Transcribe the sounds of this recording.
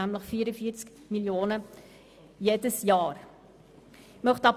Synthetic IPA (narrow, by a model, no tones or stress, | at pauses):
æmləχfiːəɾəfiəɾt͡sk | miljoːnə | jeːdəsjɑːɾ | mœχtɑp